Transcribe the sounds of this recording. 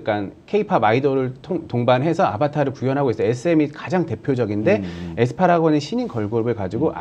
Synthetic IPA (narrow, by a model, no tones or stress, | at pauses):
k͈ankʰe̞ipʰabaidʌɾɯɭtʰoŋtoŋbanɦe̞sʰʌa̰pʰatʰaɾɯɭpujʌnɦaɡois͈ʌes͈ʰɯemikad͡ʑaŋte̞pʰjod͡ʑʌɡinde̞esʰɯ̥pʰaɾaɡʌneɕʰiɲinkʌɭɡobɯɭkad͡ʑiɡoʔa̰